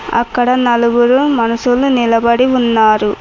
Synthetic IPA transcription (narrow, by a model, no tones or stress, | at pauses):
ɐ̰kːɐɽɐnɐluɡuɾumɐnɐsulunilɐbɐɽiunːaːɾu